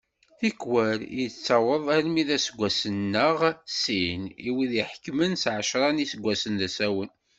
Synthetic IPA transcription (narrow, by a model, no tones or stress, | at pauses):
θikwəɾjət͡sːɑwəðˤæɾmiðæsəɡʷːæsənːəʁsiniwiðiħkmənsʕəʃɾˤɑnisəɡʷːæsənðæsæwən